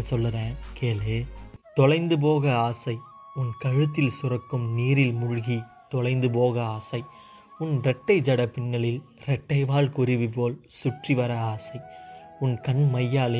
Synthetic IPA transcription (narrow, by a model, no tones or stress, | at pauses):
sɔlːɯɾẽːkeːleːt̪ɔlɐɪnd̪ɯp̬oːɣɐaːsɐɪ | ʊnkɐɻɯt̪ːɪlsʊrɐkːɯmniːɾɪlmʊɻʊɣi | t̪ɔlɐɪnd̪ɯpoːɣɐaːsɐɪ | ʊnɖɛʈːɐɪd͡ʒɐɽɐpɪɳːɐɭɪl | ɾɛʈːɐɪʋaːɭkʊɾɪʋip̬oːlsʊʈriʋɐɾɐaːsɐɪʊnkɐnmɐjːaːle